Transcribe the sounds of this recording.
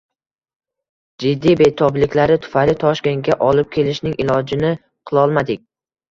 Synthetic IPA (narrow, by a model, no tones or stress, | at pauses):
d͡ʒɪd̪ːijbet̪ʰɒblɪkʲlaɾɪt̪ʰʊ̥faɾɪt̪ʰɒʃkʲe̞ŋɡʲaʔɒlɪp̚kʲʰe̞lɪʃnɪŋʔɪlɒd͡ʒɪnɪ | qʰɨlˠɒlˠmad̪ɪk̚ʲ